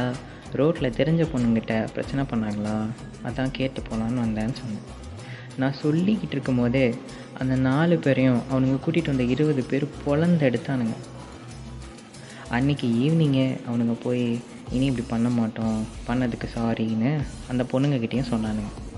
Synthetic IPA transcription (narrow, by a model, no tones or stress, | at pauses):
aː | ɾoːʈlɐt̪ɛɾɪɲd͡ʒɐpɔɳːɯŋɡɪʈːɐpɪɾɐ̰t͡ʃːɐnɐpɐɳːaːŋɡɐɭãː | ɐðãːkeːʈːɯpːoːlaːnɯʋɐnd̪aːnːɯsɔnːɐɐ | nãːsɔɭːikːɪʈːɪɾɯkːɯmpoːðɯ | ʔɐ̰nd̪ɐnaːlɯpeːɾɐjʊ̃ʔɐʋɐnɯŋɡɐkuːʈːɪʈːɯʋɐnd̪ɐɪɾɯʋɐðɯpeːɾɯpɔɭɐnd̪ɛɽɯt̪ːaːnɯŋɡɐ | ʔɐnːɪkːɯiːʋniŋɡeɐʋɐnɯŋɡɐpoːji | ɪniɛp̬ːɐɽipɐɳːɐmaːʈːʊ̃pɐɳːɐðɯkːɯsaːɾinɯɐnd̪ɐpɔɳːɯŋɡɐkɪʈːɐjʊ̃sɔnːaːnɯŋɡɐ